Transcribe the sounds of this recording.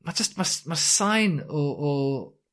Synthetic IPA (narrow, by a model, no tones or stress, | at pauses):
mad͡ʒəstmasmasãjnɔʔɔ